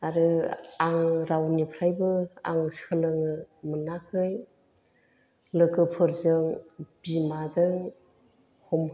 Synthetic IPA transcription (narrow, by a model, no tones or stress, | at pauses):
aɾɯaŋɾawnipʰɾajbɯa̰ŋskʰɯlɯŋɯmɯnakʰɯj | lɯkɯpʰɯɾzɯŋb̥imazɯŋ | hɔm